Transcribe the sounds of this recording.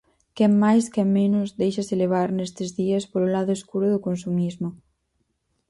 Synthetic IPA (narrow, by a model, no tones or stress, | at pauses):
kɛmːajskɛmmenʊzðejʃaseleβ̞aɾnɛst̪ɪzðiɐspoɾolaðʊeskuɾʊðʊkonsumizmo